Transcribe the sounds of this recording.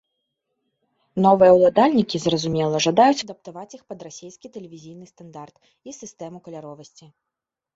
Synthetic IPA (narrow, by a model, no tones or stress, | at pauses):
nɔvɨjɛwlˠad̪alʲnʲikʲizrɐzumʲɛlˠɐʐad̪ajut͡sʲɐd̪ɐp̚t̪avat͡sʲixpɐd̪rasʲejskʲit̪ɛlʲevʲizʲijnɨst̪and̪art̪ | isɨst̪ɛmukɐlʲaɾɔvɐsʲt͡sʲi